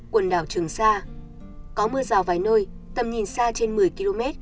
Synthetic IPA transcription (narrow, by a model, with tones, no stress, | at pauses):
kwə˨˩nɗaː˧˩wt͡ɕɨ˨˩əŋsaː˧ | kɔ˨˦mɨː˧əzaː˨˩wvaː˨˩jno˧j | t̪ə˨˩mɲi˨˩nsaː˧t͡ɕe˧nmɨ˨˩əjki˧lo˧mɛ˦˥t̚